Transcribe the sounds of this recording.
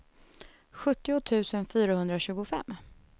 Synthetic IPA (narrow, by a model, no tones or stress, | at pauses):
ɧɵt̪ːɪʊt̪ʰʉ̟ːsənfyːɾahɵnd̪ɾaɕʉ̟ːɡʊfɛ̰mː